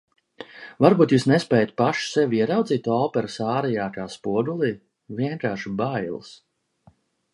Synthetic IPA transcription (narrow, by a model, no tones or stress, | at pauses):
vaɾbuːt̪jusnespɛːjat̪paʃsɛviɛɾawd̪ziːt̪t̪ːuɔpɛɾɨsaːɾɛjaːkaːspuɔd̪ulˠiː | viɛŋkaːʃibajl̰ˠs